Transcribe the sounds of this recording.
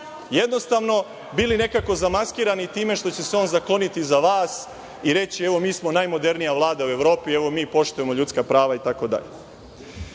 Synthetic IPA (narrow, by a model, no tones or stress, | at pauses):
je̞d̪no̞st̪aʋno̞ | biline̞kako̞zamaskiːɾanit̪iːme̞ʃt̪ot͡ɕe̞seo̞ːnzaklˠo̞nit̪izaʋaːs | iɾe̞t͡ɕieʋo̞miːsmo̞najmo̞d̪e̞ɾnijaʋlˠaːd̪aue̞ʋɾo̞ːpie̞ʋo̞miːpo̞ʃt̪uje̞mo̞ʎut̪skapɾaːʋait̪ako̞d̪a̰ʎe